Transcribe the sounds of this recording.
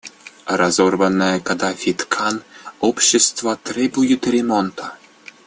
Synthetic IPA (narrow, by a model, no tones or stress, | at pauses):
rɑzorvənːɑkɑd̪ɑfʲit̪kʰɑnopɕest̪vat̪rʲebujut̪rʲemont̪ʰɑ